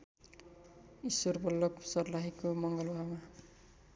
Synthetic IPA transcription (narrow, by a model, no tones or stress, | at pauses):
isworbʌlːʌpsʌrlaɦikomʌŋɡʌlwama